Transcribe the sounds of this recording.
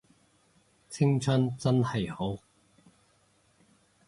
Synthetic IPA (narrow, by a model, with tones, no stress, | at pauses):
t͡sʰɪ˥ŋt͡sʰɵ˥nt͡sɐ˥nhɐ˨jho˨˥w